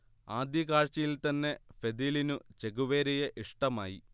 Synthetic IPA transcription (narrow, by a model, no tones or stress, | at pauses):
aːd̪jɐkaːɻt͡ɕːɐjilt̪ɐnːe̞fe̞d̪ilinut͡ɕe̞ɡuʋeːɾijeʔiʂʈɐma̰ːjḭ